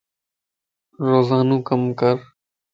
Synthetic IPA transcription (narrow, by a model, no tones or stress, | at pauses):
ɾoːzaːnũːkəmkəɾ